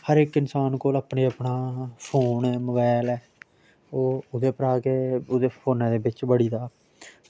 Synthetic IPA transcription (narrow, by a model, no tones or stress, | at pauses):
həɾɪkɪnsaːnkoːlaːpɳeːəpɳaːpʰoːnɛːməbɛːlɛː | oːʊd̪eːpəɾaːkeːʊd̪eːpʰoːnɛ̃ːd̪eːbɪt͡ʃbəɽiːd̪aː